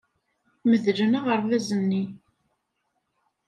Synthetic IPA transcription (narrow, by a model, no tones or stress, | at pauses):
məðlənaʁəɾˤvæzənːi